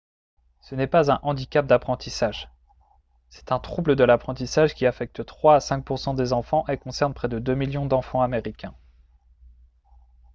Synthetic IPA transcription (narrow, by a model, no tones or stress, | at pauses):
sənɛpazɛ̃ʔɑ̃d̪ikʲap̚d̪apχɑ̃t̪isaʒ | sɛ̥t̪ɛ̃t̪χubləd̪əlapχɑ̃t̪isaʒkʲiafɛk̚t̪t̪χwaːsɛ̃k̚puʁsɑ̃d̪ezɑ̃fɑ̃ʔekɔ̃sɛʁnpχɛd̪əd̪ømiljɔ̃d̪ɑ̃fɑ̃ameʁikʲɛ̃